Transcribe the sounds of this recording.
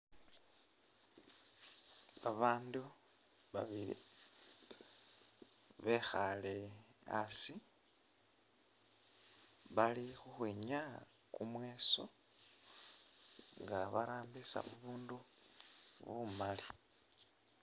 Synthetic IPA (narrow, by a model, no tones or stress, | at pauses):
aβaːndu | βaβilḭ | βe̞xalea̰si | βalixuxweːɲa | kumwe̞ːso̞̰ | ŋɡaβaɾaːmbisa̰βuβuːndu | βumali